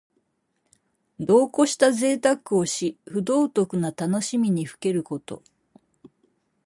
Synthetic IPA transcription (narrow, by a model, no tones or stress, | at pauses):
d̪o̞ːko̞ɕi̥t̪aze̞ːt̪akɯ̟o̞ɕiɸɯ̟d̪o̞ːt̪o̞kɯ̟nat̪ano̞ɕimʲiɲ̟iɸɯ̟̥ke̞ɾɯ̟ko̞t̪o̞̰